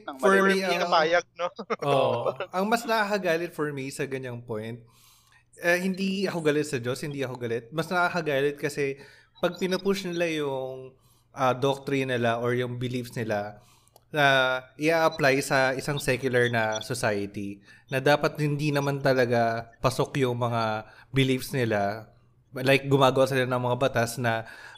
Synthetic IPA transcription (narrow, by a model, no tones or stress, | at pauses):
fɔɹminɐaːjɐɡ̚noʔʔoʔʔɐŋmɐsnɐʔakɐɡaːlɪt̪̚foɹmisɐɡɐɲːaŋpojnt̪̚ | ʔɐhɪnd̪iʔɐkoɡɐlɛt̪̚sɐd͡ʒoshɪnd̪iʔɐkoɡɐlɛt̪̚mɐsnɐʔakɐɡaːlɪt̪̚kɐsɛ | pɐɡ̚pɪnɐpʊʃnɪlajʊŋ | ʔɐd̪ok̚t̪ɾɪnːɪlaʔoɹjʊŋbɪlifsnɪla | nɐʔɪʔaːʔɐplajsɐʔɪsaŋsɛkjʊlɐɹnɐsosajɐt̪inɐd̪aːpɐt̪hɪnd̪inɐmant̪ɐlɐɡapɐsokjʊŋmɐŋabɪlifsnɪla | lajk̚ɡʊmaːɡɐwasɪlanɐŋmɐŋabɐt̪asnɐ